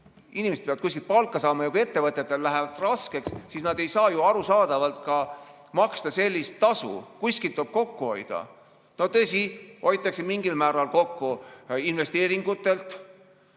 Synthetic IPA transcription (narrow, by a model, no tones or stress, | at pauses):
inʲimese̥peɑd̪kus̬ʲkilt̪̚pɑlkːˑɑsɑːmɑjɑkue̞t̪ːe̞vɤt̪ːˑet̪ːˑe̞lːæɦevɑd̪̥rɑske̞kssisnɑd̪e̞jsɑːjuɑɾusɑːd̪̥ɑvɑlt̪kɑ | mɑkst̪ɑse̞lʲːist̪ːɑsṵkuskilt̪ːob̥̚ko̞kːuho̞jd̪̥ɑ̰ | no̞t̪ɤ̞esiʔo̞jt̪ːˑɑksemiŋɡ̥ilmæːɾɑlko̞kːuinve̞st̪e̞ːɾiŋɡ̥ut̪ːˑe̞lt̪